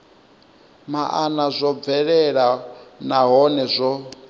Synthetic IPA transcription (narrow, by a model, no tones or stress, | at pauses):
maʔanazʷɔb̪vɛɺɛɺanaɦɔnɛzʷɔ